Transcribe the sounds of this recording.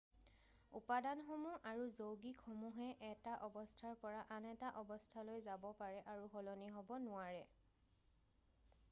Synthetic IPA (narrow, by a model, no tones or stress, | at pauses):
ṵpadanxomuʔaɹuzowɡikʰɔmuɦɛʔɛtaʔɔbɔstʰaɹpɔɹaʔanɛtaʔɔbɔstʰalojzabɔpaɹɛʔaɹuɦɔlɔniɦɔbɔnʊaɹɛ